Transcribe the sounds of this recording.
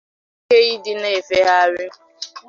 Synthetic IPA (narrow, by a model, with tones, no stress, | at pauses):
ke˦i˦dɪ˦ne˦˨fe˦ɦa˦ɾɪ˦